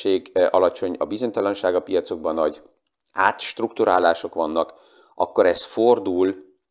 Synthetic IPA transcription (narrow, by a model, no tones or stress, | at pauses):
eːɡɒlɒt͡ʃo̞ɲɒbizo̞ɲt̪ɒlɒnʃaːɡɒpijɒt̪so̞ɡ̚bɒnːɒɟ | aːt̪ʃt̪rukt̪uɾa̰ːlaːʃo̞kʋɒnːɒk | ʔɒkːo̞ɾɛsford̪uːl